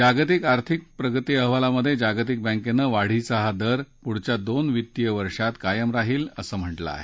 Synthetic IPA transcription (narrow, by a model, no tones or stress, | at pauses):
d͡ʑaɡt̪ikaɾt̪ʰik̚pɾəɡət̪iːəɦʋalaməd̪ʱːjed͡ʑaɡət̪̬ik̚bə̃ŋkenːəʋaɽ̤iːt͡səɦad̪əɾpuɽ̤t͡ɕjad̪onʋit̪ːijəʋəɾʂat̪kajəmɾaɦiːləsəːm̤əʈlə̰a̰ɦe